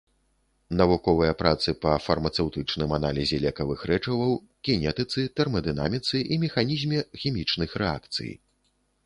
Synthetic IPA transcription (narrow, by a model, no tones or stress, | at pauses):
nɐvukɔvɨjɐpɾat̪sɨpɐfɐrmɐt̪sɛwt̪ɨt͡ʂnɨmana̰lʲizʲɛlʲɛkɐvɨxɾɛt͡ʂɐvɐw | kʲɛnʲɛt̪ɨt̪sɨt̪ɛrmɐd̪ɨna̰mʲit̪sɨʔimʲɛxanʲizʲmʲɛxʲimʲit͡ʂnɨxɾɛa̰kt̪sɨ̰j